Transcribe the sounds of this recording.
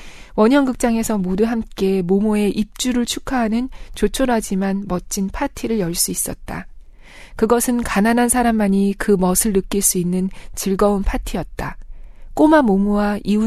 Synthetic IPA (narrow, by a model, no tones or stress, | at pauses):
wʌɲɦʌŋɡɯk̚t͡ɕ͈aŋe̞sʰʌmoduɦamk͈e̞momue̞ʔip̚t͡ɕ͈uɾɯɭt͡ɕʰukʰaɦanɯnt͡ɕot͡ɕʰoɾad͡ʑimanmʌt͡ɕ͈inpʰatʰiɾɯɭjʌɭs͈uis͈ʌt̚t͈a̰ | kɯɡʌsʰɯnkananɦansʰaɾamːaɲikɯmʌsʰɯɭnɯk͈iɭs͈uinːɯnt͡ɕiɭɡʌunpʰatʰijʌt̚t͈ak͈omamomuwaiu